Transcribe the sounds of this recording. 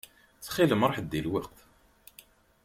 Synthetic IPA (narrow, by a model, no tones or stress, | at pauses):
t͡sːχiləmɾˤɑħd̪ːilwɑq̚t̪